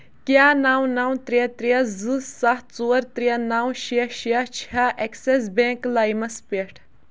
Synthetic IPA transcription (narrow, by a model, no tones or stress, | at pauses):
kjaːnawnawt̪ɾijɐt̪ɾijɐzɨsɐht͡suɐɾt̪ɾijɐnawʃiɐʃijɐt͡ʃʰɐʔekses̬bẽːklajmɐspeʈʰ